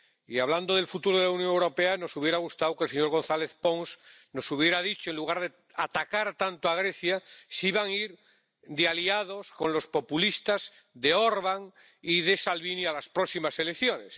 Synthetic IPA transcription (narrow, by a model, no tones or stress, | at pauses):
iaβland̪o̞ðe̞lfut̪uɾoðelaunjoŋewɾo̞peano̞suβje̞ɾaɣ̞ust̪awkelse̞ɲo̞ɾɣ̞õ̞nθale̞θpo̞ŋsno̞suβ̞je̞ɾaðit͡ʃoenluɣ̞aɾðe | at̪akaɾt̪ant̪oaɣ̞ɾe̞θjasiβaŋiɾ | d̪ealiaðo̞sko̞nlo̞spo̞pulist̪az | d̪e̞oɾβaŋ | iðe̞salβinialaspɾoksimase̞lekθjo̞ne̞s